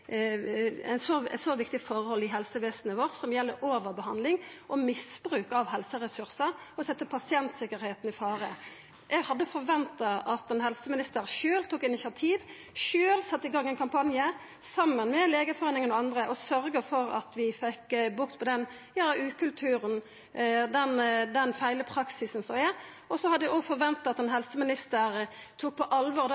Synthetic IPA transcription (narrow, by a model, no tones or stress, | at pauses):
ɛsɔsoʋɪkt̪ɪfɔɾəhɔlːɪɦɛlsəʋeːsənəʋɔʁt̪sɔmjɛlːəʔoːʋəʁbəɦɑnd̪lɪŋʔɔmɪsbɾʉːkɑʋɦɛlsəʁɛsʉʁsəɾɔsɛt̪ːəpʰɑsɪɛnt̪sɪkːəɾheːt̪nɪfɑːɾə | ʔɛɡhɑd̪ːəfɔɾʋɛnt̪ɑʔɑt̪ɛnhɛlsəmɪnɪst̪əɾʃøːlt̪ʰuːkɪnɪsɑt̪ʰiːʋ | ʃøːlsɑt̪ːəɪɡɑŋːɛɪnkʰɑmpʰɑnjə | sɑmːənmɛleːɡəfɔʁeːnɪŋənɔɑnd̪ʁəʔɔsœɾɡəfɔɾɑ̰t̪ʋɪfɛkːbʊʁt̪pʰɔd̪ɛn | jɑːʉːkʰʉlt̪ʰʉːɾən | d̪ɛnd̪ɛnfæɪləpʰɾɑksɪsn̩sɔmɛ | ɔsɔhɑd̪əɛɔfɔɾʋɛnt̪ɑɑt̪ɛnhɛlsəmɪnɪst̪əɾt̪ʰuːk̚pʰɔʔɑlʋɔːɾd̪